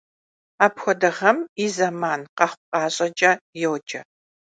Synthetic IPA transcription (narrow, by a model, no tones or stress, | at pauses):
aːpxʷɔdɐʁɐmiːzɐmaːnqɐχʷʊqʼɑːɕʼɐd͡ʒʼɐjɛwd͡ʒʼɐ